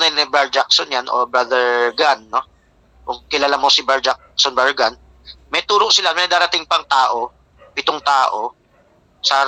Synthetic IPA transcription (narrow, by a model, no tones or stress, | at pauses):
nɛnɪbaɹd͡ʒaksonjanʔo̰bɾad̪ɛɹɡanːo | kʊŋkɪlaːlamosɪbaɹd͡ʒakksonbaɹɡan | mɛt̪uːɾoʔsɪlamɪnɐd̪aːɾɐt̪ɪŋpɐŋt̪aːʔo̞ | pɪt̪oŋt̪aːʔo̞ | sa